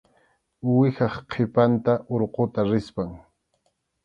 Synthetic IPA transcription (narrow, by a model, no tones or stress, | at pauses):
wɪxɑχqʰepant̪aʔoɾqot̪aɾɪspaŋ